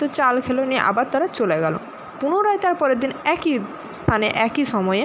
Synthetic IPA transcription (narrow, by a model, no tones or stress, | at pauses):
ot͡ɕalkʰelonieʔa̰baɾt̪aɾat͡ɕoleɡɛlo̰ | punoɾaet̪aɾpɔɾeɾd̪ːinɛki | st̪ʰaneʔɛkiʃɔmɔe